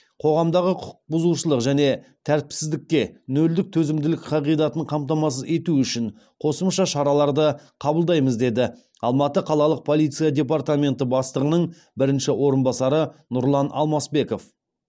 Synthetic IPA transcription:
qʰo̞ʁɑmd̪ɑʁəqʰʊ̥q̚bʊzuʃəlˠəqʒæne̞ | t̪ʰæɾt̪̚psɪzd̪ɪkʲːe̞nɵld̪ɪk̚t̪ʰɵzɪmd̪ɪlɪkqʰɑʁijd̪ɑt̪əɴqʰɑmpt̪ɑmɑs̬əze̞t̪uʏʃɪɴ | qʰo̞səmʃɑʃɑɾɑlˠɑɾd̪əqʰɑbəlˠd̪ɑjməzd̪e̞d̪ɪ | ɑlˠmɑt̪əqʰɑlˠɑlˠəq̚pʰo̞lˠijt̪sijad̪ʲe̞part̪amʲe̞nt̪əbɑst̪əʁənəɴ | bɪɾɪnʃɪwo̞ɾənbɑsɑɾənʊɾlˠɑnʔɑ̰lˠmɑsbe̞ko̞f

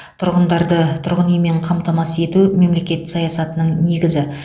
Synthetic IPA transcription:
t̪ʰʊɾʁənd̪ɑɾd̪ət̪ʰʊɾʁənijme̞ɴqʰɑmt̪ɑmɑse̞t̪ume̞mle̞kʲe̞t̪sɑjɑsɑt̪ənəɴne̞ɡʲɪzɪ

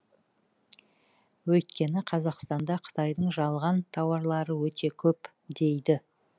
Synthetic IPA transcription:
wɵjt̪kʲe̞nɪqʰɑzɑqst̪ɑnd̪ɑqʰə̥t̪ɑjd̪əɴʒɑlˠʁɑnt̪ʰɑwɑɾlˠɑɾəwɵt̪e̞kʲʰɵp | d̪e̞jd̪ɪ

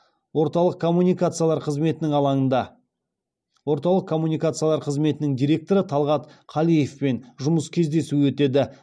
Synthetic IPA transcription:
wo̞ɾt̪ɑlˠəq̚kʰo̞mːunʲijkat̪sɨialˠɑɾqʰəzme̞t̪ɪnɪŋɑlˠɑɴənd̪ɑ | wo̞ɾt̪ɑlˠəqkʰo̞mːunijkat̪sɨjalˠɑɾqʰəzme̞t̪ɪnɪŋd̪ijɾʲe̞k̚t̪o̞ɾət̪ʰɑlˠʁɑt̪qʰɑlˠije̞fpenʒʊməskʲʰe̞zd̪e̞suwɵt̪e̞d̪ɪ

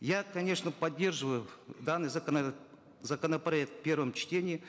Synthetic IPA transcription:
jakɐnʲe̞ʂnəpɐdʲːe̞rʐɨvəjʊd̪anːɨjzən | zəkənəpɾɐɛk̚t̪pʲe̞rvəmt͡ɕtʲenʲɪɪ

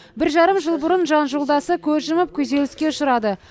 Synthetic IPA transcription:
bɪɾʒɑɾəmʒəlˠbʊɾənʒɑnʒolˠd̪ɑsəkʲʰɵɾʒɪmɪp̚kʲʰɵze̞lɪskʲe̞ʊʃʊɾɑd̪ə

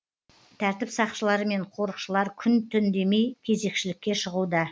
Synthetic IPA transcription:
t̪ʰæɾt̪ɪpsɑqʃəlˠɑɾəme̞ɴqʰo̞ɾəqʃəlˠɑɾkʲʰʏnt̪ʰʏnd̪e̞me̞jkʲʰe̞ze̞kʃɪlɪkʲːe̞ʃəʁud̪ə

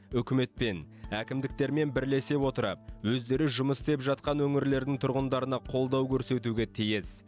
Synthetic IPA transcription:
ʏkʲɪme̞t̪̚pe̞n | ækʲɪmd̪ɪk̚t̪e̞ɾme̞nbɪɾle̞se̞pwo̞t̪əɾɑ̰p̚wɵzd̪e̞ɾɪʒʊməst̪e̞pʒɑt̪̚qɑnwɵŋɪɾle̞ɾd̪ɪŋt̪ʰʊɾʁənd̪ɑɾənɑqʰo̞lˠd̪ɑwkʲʰɵɾse̞t̪̬uɡʲe̞t̪ʰijɪs

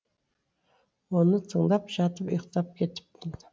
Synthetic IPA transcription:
wonət̪ʰəɴd̪ɑpʒɑt̪əpḭjqt̪ɑp̚kʲʰe̞t̪ɪ̥p̚t̪ɪnd̪ɪ

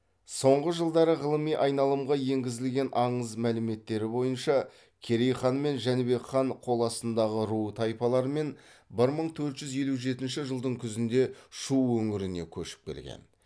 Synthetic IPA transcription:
so̞ɴʁəʒəlˠd̪ɑɾəʁəlˠəmijʔɑjnɑlˠəmʁɑje̞ŋɡʲɪzɪlɡʲe̞nʔɑɴəzmælɪme̞t̪ːe̞ɾɪbo̞jənʃɑ | kʲʰe̞ɾejχɑnme̞nʒænbe̞kχɑɴqʰo̞lˠɑsənd̪ɑʁəɾuət̪ʰɑjpɑlˠɑɾəme̞n | bɪɾməɴt̪ʰɵɾt̪ʒ̥ʏzje̞luʒe̞t̪ɪnʃɪʒəlˠd̪əɴkʲʰʏzɪnd̪e̞ʃuːɵŋɪɾɪne̞̰kʲʰɵʃɪ̥p̚kʲʰe̞̰lɡʲḛn

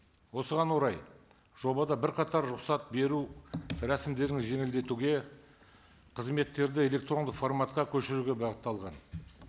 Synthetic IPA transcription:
wo̞səʁɑnwo̞ɾɑj | ʒ̥o̞bɑd̪ɑbɪɾqʰɑt̪ɑɾɾʊqsɑt̪̚be̞ɾuɾæsɪmd̪e̞ɾɪŋʒe̞ŋɪld̪e̞t̪uɡʲe̞ | qʰəzme̞t̪ːe̞ɾd̪ɪe̞le̞kt̪ro̞nd̪əqfo̞rmɑt̪qɑkʲʰɵʃɪɾuɡʲe̞bɑʁət̪ːɑlˠʁɑn

